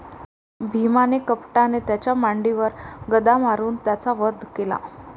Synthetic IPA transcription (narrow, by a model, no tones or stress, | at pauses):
bʱimanekəpʈanet̪jat͡ɕjamaɳɖiʋəɾɡəd̪amaɾuːnt̪jat͡saʋəd̪ʱkela̰